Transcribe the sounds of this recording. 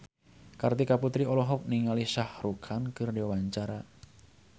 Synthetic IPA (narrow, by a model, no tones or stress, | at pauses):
kart̪ikaput̪ɾiɔlɔɦɔk̚niŋalisahrukʰankərdewaɲt͡ʃaɾa